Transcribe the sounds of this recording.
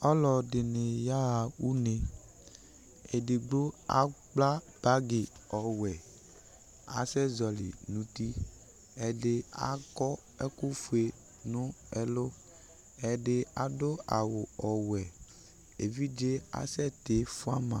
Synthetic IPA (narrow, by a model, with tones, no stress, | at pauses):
ɔ˦lɔ˨de˨ne˨ja˦a˨wu˦ne˨ | e˨de˨ɡ͡bo˦a̰˦k͡pla˦ | b̥a˦ɡe˨ɔ˨wɛ˨ | a̰˨sɛ˦zɔ˨lḭ˨nũ˨t̪i˦ | ɛ˨de˦a̰˨kɔ˦ | ɛ˦ku˦fu˨e˨ | nũ˦ɛ˦lo˦ | ɛ˨de˦a˨do˦a˨wo˨ɔ˨wɛ˨ | e˨vi˦d͡ʒe˦a̰˨sɛ˦t̪e˨˦fu˦a˦mã˨